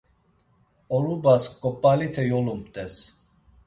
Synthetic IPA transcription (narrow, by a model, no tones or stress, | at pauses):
ɔlubaskʼɔpʼːalit̪ʰɛjɔlumt̪ʼɛs